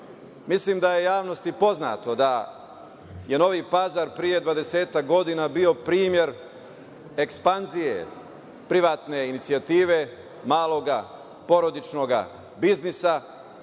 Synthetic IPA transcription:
mislimd̪aje̞jaːʋno̞st̪ipo̞zna̰ːt̪o̞d̪a | je̞no̞ʋipazaɾpɾije̞d̪ʋad̪e̞se̞ːt̪ak̚ɡo̞d̪inabio̞pɾiːmje̞ɾ | e̞kspanzijḛ | pɾiʋaːt̪ne̞init̪sijat̪iːʋe̞ | maːlˠo̞ɡa | po̞ɾo̞d̪it͡ʃno̞ɡa̰ | biznisa

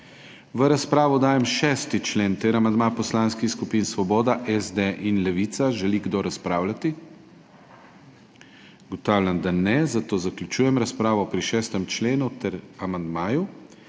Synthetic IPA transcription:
ʋəɾaspɾaːʋɔd̪aːjɛmʃɛːst̪it͡ʃleːnt̪ɛɾamand̪mapɔslaːnskixskupinsʋɔbɔːd̪aʔɛzd̪eʔinlɛʋit̪saʒɛliɡd̪oɾaspɾaːwlʲat̪i | ɡɔt̪awlʲjamd̪anɛzat̪oːzaklʲut͡ʃuːjɛmɾaspɾaːʋɔpɾiʃɛːst̪ɛmt͡ʃleːnut̪ɛɾamand̪maːju

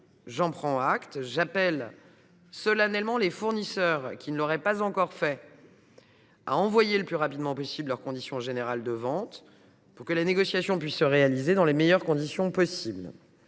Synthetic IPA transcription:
ʒɑ̃pχɑ̃akt̪ʒapɛl | sɔlanɛlmɑ̃lefuʁnisœʁkʲinəlɔʁɛpazɑ̃kɔʁfɛ | a̰ɑ̃vwajeləplyʁapid̪mɑ̃pɔsiblœʁkɔ̃d̪isjɔ̃ʒeneʁald̪əvɑ̃t̪ | puʁkəlaneɡɔsjasjɔ̃pɥisːəʁealized̪ɑ̃lemejœʁkɔ̃d̪isjɔ̃pɔsibl

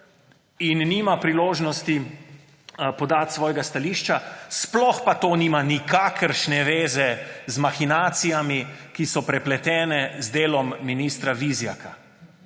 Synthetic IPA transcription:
innimapɾiloːʒnɔst̪i | pɔd̪aːt̪sʋɔːjɡast̪aliːʃt͡ʃasplɔxpat̪oːniːmanikakəɾʃnɛʋeːzɛzmaxinaːt̪sijamikisɔpɾɛplɛt̪ɛːnɛzd̪eːlɔmːiniːst̪ɾaʋizja̰ka

